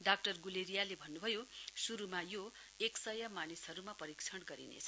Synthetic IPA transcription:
ɖakʈʌrɡuleɾijalebʱʌnːubʱʌjosuɾumajo | eksʌjʌmanisɦʌɾumapʌɾikt͡sʰʌnɡʌɾḭnḛt͡sʰʌ̥

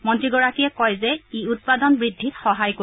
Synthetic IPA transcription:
mɔntɹiɡɔɹakiɛkɔjzɛiut̚padɔnbɹidʱːitxɔɦajko

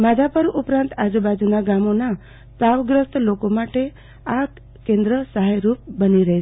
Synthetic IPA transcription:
mad͡ʒapəɾʔupɾãnt̪ad͡ʒubad͡ʒunaɡamona | saʋɡɾəst̪lokomaʈe | ak | kẽnd̪ɾəsəɦajɾup̚bəniɾəɦe

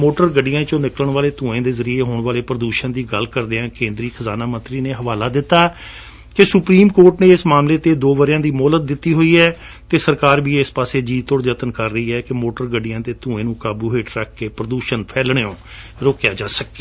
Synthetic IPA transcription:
moːʈəɾɡəɖɪjãːt͡ʃõːnɪkləɳʋaːleːt̪ũːẽːd̪eːzəɾiːeːɦoːɳʋaːleːpɾəd̪uːʃənd̪iːɡəlkəɾd̪eːãːkẽːnd̪ɾiːxʰəzaːnaːmə̃nt̪ɾiːneːɦəʋaːlaːd̪ɪt̪ːaː | kɪsʊpɾiːmkoːɾʈnẽːɪsmaːmleːt̪eːd̪oːʋəɾjãːd̪iːmɔːlət̪̚d̪ɪt̪ːiːɦoːiːɛː | t̪eːsəɾkaːɾbiːɪspaːseːd͡ʒiːt̪ʊɽd͡ʒət̪ənkəɾːəiːɛːkɪmoːʈəɾɡəɖɪjãːt̪eːt̪ũːẽːnũːkaːbuːɦeːʈɾəkʰːeːpɾəd̪uːʃənpʰɛːlɳeːõː | ɾoːkjaːd͡ʒaːsəkːeː

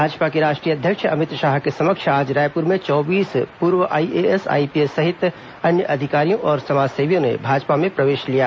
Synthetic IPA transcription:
bʱaːd͡ʒpakeɾaːʃʈɾijəd̪ʱjəkʃɐmɪt̪ɾʃaːɦkesɐməkʃʰaːd͡ʒɾaːjpʊɾmẽt͡ʃɔːbiːspuːɾʋəʔaːieɛsa̰ːipiesːɐɦɪt̪ | ɐnjəʔɐd̪ʱɪkaːɾijõʔɔːɾsɐmaːd͡ʒseːʋjõnḛbʱaːd͡ʒpamẽpɾɐʋeːʃlijaː

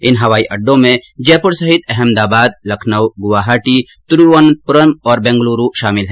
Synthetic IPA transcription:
ɪnɦɐʋaːiʔɐɖːõmẽd͡ʒɛːpʊɾsɐɦɪt̪ɛɦɛmd̪aːbaːd̪lɐkʰnəwɡʊʋaːɦaːʈi | t̪ʊɾuʋənpʊɾəmɔːɾbɛ̃ːŋɡluːɾuʃaːmɪlɦɛː

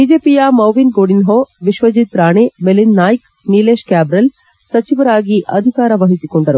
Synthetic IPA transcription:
biːd͡ʒeːpijaːmɐwʋinɡoːɽinɦoːʋiʃʋɐd͡ʒit̪̚pɾaːɳemelinːaːjk | nileːʃkaːbɾɐl | sɐt͡ʃiʋɐɾaːɡiʔɐd̪ʱikaːɾɐʋɐɦisikoɳɖɐɾu

